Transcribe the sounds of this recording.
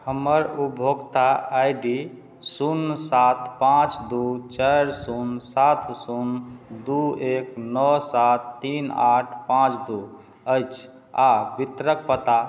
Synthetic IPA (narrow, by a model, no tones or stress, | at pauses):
həməɾubʱoɡt̪aajɖi | sunsat̪ʰpãt͡ʃd̪ut͡ʃəɾsunsat̪ʰsund̪ueknɔsat̪ːinaʈʰpãt͡ʃd̪u | əjt͡ʃʰ | abit̪ɾək̚pət̪a